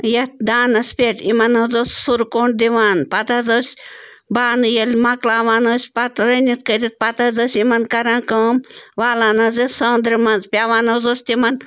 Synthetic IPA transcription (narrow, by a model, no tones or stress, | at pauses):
jɐt̪̚d̪aːnɐspʲeʈimɐnɦɐzoːssuɾkoːɳɖ̚d̪iʋaːnpɐt̪ɐzoːsʲ | baːnɨjɐlʲmɐklaːʋaːnəːsʲpɐt̪ɾɐnit̪kəɾʲit̪̚pɐt̪ɐzəːsʲimɐnkɐɾaːkəmʋaːlaːnɐzɐsõːnd̪ɾimɐnzpʲaːʋaːnɦozoːsʲt̪imɐn